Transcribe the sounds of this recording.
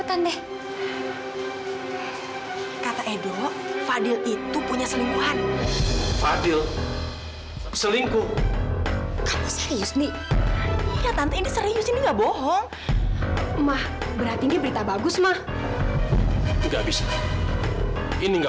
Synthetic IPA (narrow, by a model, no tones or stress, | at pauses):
pət̪andɛh | kat̪aʔedilɔʔfadɪlit̪upuɲasəliŋɡuɦan | fadɪl | səliŋku | kalasəɾijʊsni | jat̪ant̪uindisəɾijʊsiniŋɡabɔɦɔŋ | mah | bəɾat̪indibəɾit̪abaɡʊsmah | ŋɡabis | iniŋɡa